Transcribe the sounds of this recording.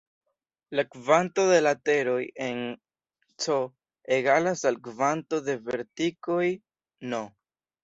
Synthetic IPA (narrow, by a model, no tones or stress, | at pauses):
lakvanto̞de̞late̞ɾo̞je̞n | t͡so | eɡalasalkvanto̞d̪e̞ve̞ɾtiko̞j | no